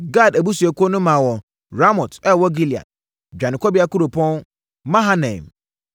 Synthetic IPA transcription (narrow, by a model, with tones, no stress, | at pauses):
ɡa˦˨dæ˨bu˦su˨ɛ˨ku˦o˦nʊ̃˦mã˨wɔ˨ | ɾa˦mɔ˨tɛ˦˨wɔ˦ɡi˦li˨a̰˨t̚ | d͡ʑᶣã˨nɪ̃˨kʰɔ˦bi˦a˦ku˦ɾu˨pʰɔ̃˦n | mã˦ɦã˦nɛ̰̃˨m